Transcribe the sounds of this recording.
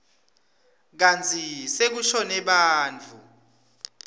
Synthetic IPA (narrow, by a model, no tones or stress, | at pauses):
k̬ant͡sʰisek̬uʃɔnɛɓaːnt͡fʰu